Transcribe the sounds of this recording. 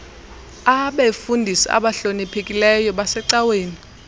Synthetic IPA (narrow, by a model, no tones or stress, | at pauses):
aɓefundʱisia̰ɓaɬonipʰekʼilɛjɔɓasɛǀaweːni